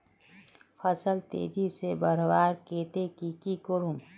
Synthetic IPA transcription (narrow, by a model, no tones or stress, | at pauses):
pʰəsəlt̪ḛːd͡ʒisebəɾbaːɾkeːt̪ekikikoɾum